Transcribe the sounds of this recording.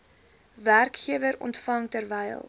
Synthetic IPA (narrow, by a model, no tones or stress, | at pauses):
værkχiəvəɾɔ̰ntfɐŋtərvɛjlˠ